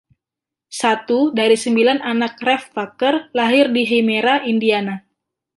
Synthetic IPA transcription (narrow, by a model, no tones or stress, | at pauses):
sat̪udaɾisəmbilananak̚rɛfːakərlaɦɪrdiɦemeɾaindiana